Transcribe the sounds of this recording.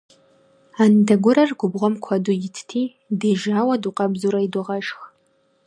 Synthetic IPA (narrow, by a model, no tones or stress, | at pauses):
andɐɡʷʊɾɐrɡʷʊbʁʷɔmkʷʰadujɪtʰtʰiː | deːʒaːwɐduqɐbzuɾaidʊʁɐʃx